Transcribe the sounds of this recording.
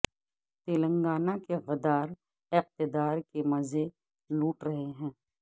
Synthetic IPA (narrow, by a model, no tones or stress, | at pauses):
t̪eːlə̃ŋɡaːnakeɣɐd̪aːɾ | ɪq̚t̪ɪd̪aːɾkemɐze | luːʈɾɐɦeɦɛ̃ː